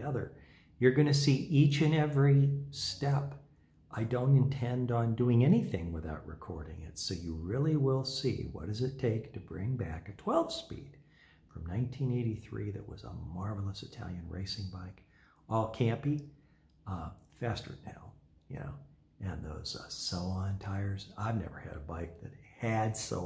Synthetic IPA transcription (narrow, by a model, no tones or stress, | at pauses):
ʌðə̰˞ | jə˞ɡʌñɨsiʔit͡ʃɨ̃nɛvɹistɛp | ʔaɪdõʊ̃ntɨ̃ntʰɛ̃ndn̩dʉɪ̃ŋɛñiθɪ̃ŋwəθaʊʔ̚ɹɨ̰kʰɔ̰ɹɾɪ̰̃ŋɪ̰tsoʊjɨɹɪlˠiwɪlˠsḭwʌ̰t̚d̥ʌzɨtʰeɪktʰɨbɹɪ̰̃ŋbækɨtʰw̥ɛlˠv̥spḭd̥ | fɹʌ̃mnãɪ̃ntʰĩneɪɾiθɹiðɨ̰ʔ̚wʌ̰zə̰mɑɹvl̩ˠəsɨtʰæ̰lˠjɨ̃nɹḛɪsɪ̃ŋbaɪk | ɔlˠkʰæ̃mpi | fæstə̰˞nɛ̰lˠ | jɨ̰no̰ʊ | ʔɨ̃nðoʊz̥soʊə̃ntʰaɪə˞z̥aɪvnɛ̰və̰˞ɨ̰ɾɨbaɪk̚ðɨ̰t̚ɨdso̰ʊ